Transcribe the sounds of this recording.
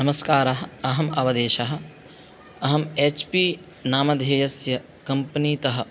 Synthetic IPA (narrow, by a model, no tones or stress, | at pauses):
nɐmɐskaːɾɐɦɐ̆ɐɦɐmɐʋɐd̪eːʃɐɦɐ̆ | ɐɦɐmeːt͡ʃpiː | naːmɐd̪ʱeːjɐsjɐ | kɐmpɐniːt̪ɐɦɐ̆